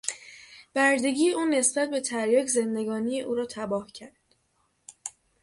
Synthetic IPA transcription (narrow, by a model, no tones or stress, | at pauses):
b̥æɾd̪e̞ɡiːjeʔuːne̞sbæt̪̚be̞t̪ʰæɾjɒːcʰze̞nd̪e̞ɡɒːnijeʔuːɾɒːt̪ʰæbɒːhcʰæɾd̪̥